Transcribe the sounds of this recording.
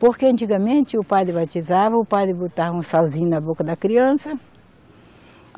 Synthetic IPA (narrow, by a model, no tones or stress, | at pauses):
poɾkeɐ̃nt͡ʃ̪iɡɐmẽnt̪ɪʊpad̪ɾɪbat̪izavɐʊpad̪ɾɪbot̪aũsawzĩɲnɐbokɐd̪ɐkɾiɐ̃sɐ